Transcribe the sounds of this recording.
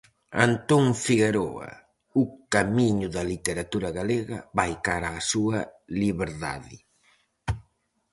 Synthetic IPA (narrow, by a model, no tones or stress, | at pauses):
a̰nt̪oŋfiɣeɾo̰ɐ̰ | ukamiɲʊðɐlit̪eɾat̪uɾɐɣaleɣɐ̰βajkaɾaːsuɐliβeɾða̰ðɪ